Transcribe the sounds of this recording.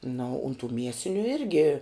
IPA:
nɐ oː ʊn tuː ˈmʲiɛsʲɪnʲʊ ˈɪrʲɡʲɪ

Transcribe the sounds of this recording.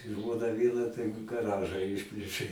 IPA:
ˈʒmoːnɐ ˈʋʲiɛnɐ tɐɪ ɡɐˈrɑːʒɐ ˈɪʃʲpʲlʲeːʃʲeː

